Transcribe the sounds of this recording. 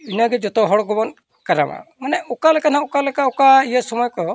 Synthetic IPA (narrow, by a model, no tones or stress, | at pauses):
inaɡɛd͡ʒɔt̪ɔɦɔɽɡɔbɔn | kaɾa̰ma̰manɛʔɔkalɛkanãɔkalɛkaɔkaijasɔmɔjkɔ